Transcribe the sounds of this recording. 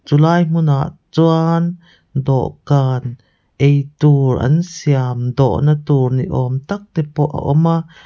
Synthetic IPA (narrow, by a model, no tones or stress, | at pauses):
t͡sulaːjm̥unaʔt͡suan | d̪ɔ̰ʔkaːn | ʔejt̪uːrʔɐ̰nsiamd̪ɔʔnɐt̪uːrnḭʔɔmt̪ak̚t̪ɛpɔʔa̰ʔɔma